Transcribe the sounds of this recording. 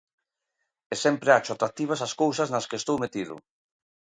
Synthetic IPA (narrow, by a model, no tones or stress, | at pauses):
esɛmpɾeat͡ʃʊat̪ɾak̚t̪iβ̞asaskowsaznɐskeːst̪owmet̪iðʊ̰